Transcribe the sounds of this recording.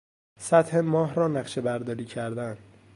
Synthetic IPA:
sæt̪hemɒːɦɾɒːnæɢʃe̞bæɾd̪ɒːɾiːcʰæɾd̪ænd̪̥

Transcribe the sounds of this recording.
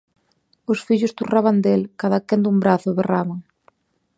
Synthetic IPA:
ʊsfiʎʊst̪uraβand̪elkaðakend̪umbɾaθʊβeraβaŋ

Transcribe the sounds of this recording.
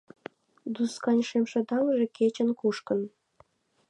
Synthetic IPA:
d̪uskɑnʲʃemʃĕd̪ɑŋʒĕket͡ɕə̆nkuʃkən

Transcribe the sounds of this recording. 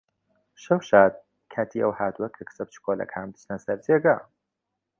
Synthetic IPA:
ʃɐwʃaːd̪̚ | kʰaːt̪ʰiɐ̰whaːt̪uɐkʰɐkʰɨ̥sɐp̚t͡ʃʰɨ̥kʰoːlɐ̰kʰaːnmd̪ɨ̥t͡ʃnɐsɐɾd͡ʒeːɡa

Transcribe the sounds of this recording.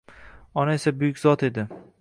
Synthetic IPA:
ɒnaesabʊjʊkʲzɒt̪ʰe̞d̪ɪ

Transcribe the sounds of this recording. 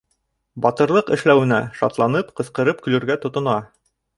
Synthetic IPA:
bɑt̪ɤ̆ɾlˠɤqɘ̆ʃlæwɘ̆næʃɑ̰t̪lˠɑnɤpqɤ̆sqɤ̆ɾɤp̚kɵ̆lɵ̆ɾɡæt̪ŏt̪ŏnɑ

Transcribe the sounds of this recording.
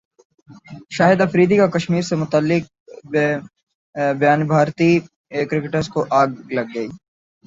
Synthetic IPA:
ʃaːɦɪd̪ɐfɾiːd̪ikakɐʃmiːɾsemʊt̪əlːɪk̚ | bjaːnbʱaːɾt̪i | kɾɪkɪʈəɾzkoʔaːɡlɐɡːɐiː

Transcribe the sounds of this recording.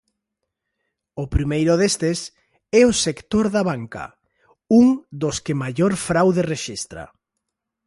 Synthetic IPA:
ʊpɾimejɾʊðest̪es | ɛosekt̪oɾðaβaŋkɐ̰ | uŋd̪oskemajoɾfɾawðereʃist̪ɾa̰

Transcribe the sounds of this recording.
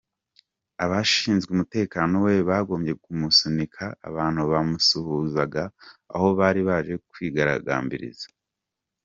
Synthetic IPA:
aβaʃiːnzɡumute̞ːkaːno̞we̞βaːɡo̞ːmje̞kumusunikʰa̰ːβaːn̥huβamusuhuzaɡaːho̞βaːɾiβaːʒe̞kwiːɡaɾa̰ɡa̰ːmbḭɾḭzḁ

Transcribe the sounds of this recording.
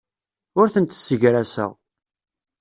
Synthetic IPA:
ʊɾθənt̪ə̥sːəʝɾæsə̰ʁ

